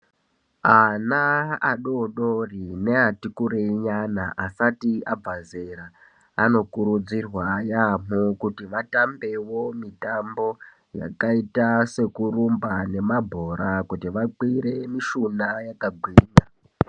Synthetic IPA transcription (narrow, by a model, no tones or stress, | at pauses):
anaaɗoɗorine̞atikuɾeiɲanaʔasatiab͡vazeɾa | ano̞kuɾud͡zirwajamukutiʋatambe̞wo̞mitambo̞ | ja̰kaitase̞kurumbane̞mabʱo̞ɾakutiʋaǃwiɾe̞miʃunajakaɡʱwiːna